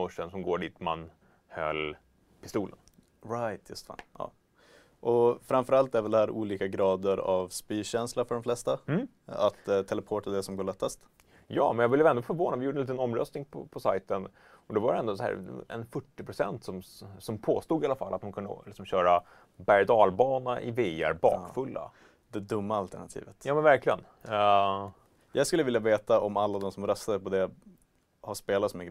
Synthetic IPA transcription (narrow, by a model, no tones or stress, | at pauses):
ɔʂːənsɔmɡoːɖiːt̪ma̰n | hœ̰lː | pʰɪ̥st̪uːlə̰n | ɾajt̪ʰjɵ̰st̪fa̰njɑ̰ː | ʔɔfɾamfœɾalt̪ːæɾvɛld̪ɛhæːɾʔuːliːkaɡɾɑːd̪əɾavspyːɕɛnslaɾfœɖɔmflɛst̪a | at̪ʰːɛlɛpʰoːʈad̪ɛsɔmɡoːɭɛt̪ːast̪ | jɑ̰ːmɛnjɑvɪljəvɛnd̪ɔfœɾvoːnavɪjuːɖənliːt̪ənɔmːɾœst̪nɪŋpʰɔ̰pʰɔsajt̪ən | ɔd̪ɔvaɾɛɛnd̪ɔsɦæ̰ːɾɛ̰nfɵʈːɪpʰɾʊsɛ̰nt̪sɔmsɔmpʰoːst̪uːɡ̪ɪalːafalːat̪̚mankʰɵnd̪əlɪksɔmɕœːɾa | bæɾd̪ɑːlbɑːnaʔɪ̰veːæ̰ɾbɑ̰ːkfɵlːa̰ | d̪ɛd̪ɵmːaalt̪ʰaɳat̪ʰḭːvət̪jɑːmɛnvæɾklɪɡən | jɑːɡskɵlːəvɪljaveːt̪aɔmalːad̪ɔmsɔmɾœst̪ad̪əpɔd̪ɛ | haʂpeːlat̪smɛɡ